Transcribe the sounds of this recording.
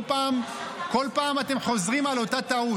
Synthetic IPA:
paːmko̞lpaːmat̪e̞mχo̞zʁimalo̞tat̪au

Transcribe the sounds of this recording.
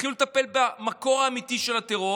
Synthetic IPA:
ilulet̪ape̞lbamako̞ʁaːmit̪iʃe̞lat̪eʁo̞

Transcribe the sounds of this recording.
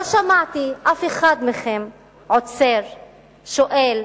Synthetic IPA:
aʃamaʕt̪iʔafeχad̪meχem | ʕot͡seʁ | ʃoʔel

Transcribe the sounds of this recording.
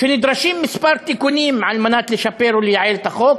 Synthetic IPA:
ʃʊnɪd̪ɾˤɑʃiːmmɪspɑɾt̪ikuniːmːaʕalmanaːt̪liʃapːeːɾwɪlːiʕeːlt̪axoːk̚

